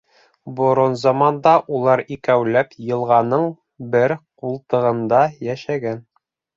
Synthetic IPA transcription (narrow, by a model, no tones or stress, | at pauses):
bŏɾonzɑmɑnd̪ɑʔulˠɑɾikæwlæpjɤ̆lˠʁɑnɤɴ | bɘɾqulˠt̪ɤ̆ʁɤ̆nd̪ɑjæʃæɡæn